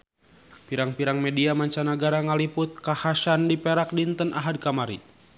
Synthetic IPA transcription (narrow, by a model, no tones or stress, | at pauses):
piɾaŋpiɾaŋmɛdiamaɲt͡ʃanaɡaɾaŋalipʊt̪̚kahasandipɛɾak̚dint̪ənʔaɦad̚kamaɾḭ